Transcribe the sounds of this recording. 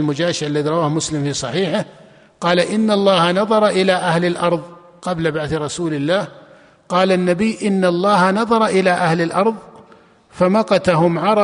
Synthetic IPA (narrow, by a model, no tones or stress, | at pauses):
lmʊd͡ʒaːʃɪʕalːaðiɾˤɑwaːhmʊslɪmfiːsˤɑħiːħɪ | qɑːlaʔɪnːalˤːɑːhanɑðˤɑɾˤɑʔɪlaʔahlɪlʔɑɾˤðˤ | qɑblabaʕθɾˤɑsuːlɪlːaːh | qɑːlanːabɪjːʔɪnːalˤːɑːhanɑðˤɑɾˤɑʔɪlaʔahlɪlʔɑɾˤðˤ | famɑqɑt̪aɦʊmʕɑɾˤɑ